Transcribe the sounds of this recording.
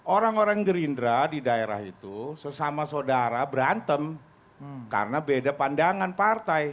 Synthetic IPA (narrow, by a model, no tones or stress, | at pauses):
ʔoɾaŋoɾaŋɡəɾindɾadidaeɾa̰ɦit̪usəsamasodaɾabəɾant̪əm | ka̰rənabedapandaŋanpart̪aj